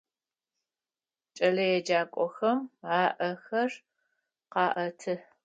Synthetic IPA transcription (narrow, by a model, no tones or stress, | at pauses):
t͡ʃʼɐɮɐjɛd͡ʒaːkʷʼɔxɐmaːʔɐxɐr | qɑːʔɐtʰɨ